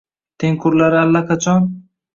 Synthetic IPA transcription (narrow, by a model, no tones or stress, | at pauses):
t̪ʰeŋkʰʊɾlaɾalːakat͡ʃʰɔn